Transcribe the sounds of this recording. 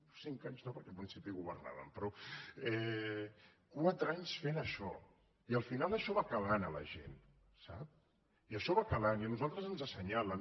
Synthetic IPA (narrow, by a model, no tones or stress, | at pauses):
siŋkaɲznopəɾkɛlpɾinsipiɣuβə̰rna̰βə̰mpɾɔɛ | kwat̪ɾaɲsfenəʃɔ̰ | iəlˠfinalˠəʃɔβakəlanələ̰ʒḛn | sa̰p | iəʃɔβakəlaniənuzalˠt̪ɾəzənzasəɲaləm